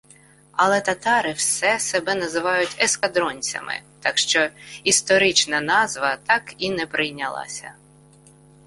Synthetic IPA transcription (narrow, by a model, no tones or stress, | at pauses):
ɐlˠɛt̪ɐt̪ɑɾɪwsɛsɛbɛnɐzɪʋɑjʊtʲɛskɐd̪ɾɔnʲt͡sʲɐ̰mɪ̰t̪ɑkʃt͡ʃɔist̪ɔɾɪt͡ʃnɐnɑzʋɐt̪ɑkinɛpɾʔɪjnʲɐlˠɑ̰sʲɐ̰